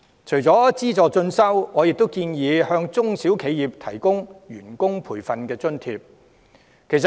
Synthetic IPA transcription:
t͡ʃʰɵ˨˩jt͡sɔː˨˥t͡siː˥t͡sɔː˨t͡sɵ˧nsɐ˥wŋɔː˨˧jɪ˨k̚t̪o˥wkiː˧njiː˨˧hœː˧ŋt͡sʊ˥ŋsiː˨˥wkʰe˨˧jiː˨p̚t̪ʰɐ˨˩jkʊ˥ŋɥyː˨˩nkʊ˥ŋpʰuː˨˩jfɐ˨nkɛː˧t͡sɵ˥nt̪ʰiː˧p̚ | kʰe˨˩js

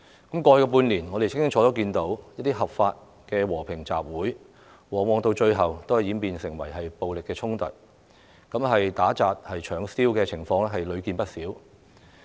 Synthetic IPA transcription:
kɐ˨˥mkɔː˧kɛ˧p̬uː˧nliː˨˩nŋɔ˨˧ɾe˨jt͡sʰɪ˥ŋkɪ˥ŋt͡ʃʰɔː˨˥o˨˥kiː˧nt̪o˨˥wjɐ˥t̚t̪i˥ɦɐ˨˩pfaː˧t̚ | kɛː˧wɔː˨˩pʰɪ˨˩ŋt͡sa̰ː˨p̚wuː˨˥j | wɔː˨˩ŋwɔː˨˧ŋt̪o˧wt͡ʃɵ˧ɥɦɐ˨wt̪o˥whɐ˨˩jiː˨˥npiː˨˧nsɪ˨˩ŋwɐ̰˨˩jɦɐ˨jpo˨wlɪ˨kːɛː˧t͡ʃʰʊ˥ŋt̪ɐ̰˨t̚ | kɐ˨˥mɦɐ˨jt̪aː˨˥t͡saː˧t̚hɐ˨jt͡ʃʰœː˨˧ŋsiː˥wkɛː˧t͡sʰɪ˨˩ŋfɔː˧ŋlɛ˥ɦɐ˨jlɵ˨˧ɥkiː˧npɐ˥t̚siː˨˥w

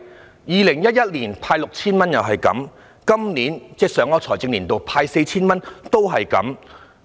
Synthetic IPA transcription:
jiː˨lɪ˨˩ŋjɐ˥t̚jɐ˥t̚liː˨˩npʰaː˧jlʊ˨k̚t͡sʰiː˥nmɐ˥njɐ˨wɦɐ˨jkɐ̰˨˥m | kɐ˥mniː˨˥nt͡sɛː˥sœː˨˥ŋɔː˧t͡sʰɔː˨˩jt͡sɪ˧ŋliː˨˩nt̪o˨˧wpʰaː˧jse˧jt͡sʰiː˥nmɐ˥nt̪o˥wɦɐ˨jkɐ̰˨˥m

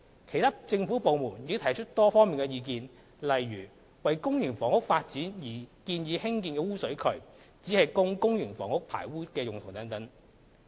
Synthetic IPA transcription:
kʰe˨˩jt̪ʰaː˥t͡sɪ˧ŋfuː˨˥po˨wmuː˨˩njiː˨˧˥t̪ʰɐ˨˩jt͡ʃʰɵ˥t̚t̪ɔː˥fɔː˥ŋmiː˨nkɛ˧jiː˧kiː˧n | lɐ˨˩jːyː˨˩ | wɐ˨jkʊ˥ŋjyː˨˩nfɔː˨˥ŋʊ˥k̚faː˧t̚t͡siː˨˥njiː˨˩kiː˧njiː˨˧hɪ˥ŋkiː˨˧nkɛː˧wuː˥sɵ˨˥ɥkʰɵ˨˩ɥ | t͡siː˨˥hɐ˨jkʊ˥ŋkʊ˥ŋjyː˨˩nfɔː˨˥ŋhʊ˥k̚pʰa̰ː˨˩jwuː˥kɛː˧jʊ˨ŋt̪ʰʊ˨ŋt̪ɐ˨˥ŋt̪ɐ˨˥ŋ

